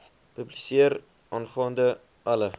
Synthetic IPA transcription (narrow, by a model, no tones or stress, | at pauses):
pʉblisiəɾ | ʔɑːnχɑːndə | ɐlə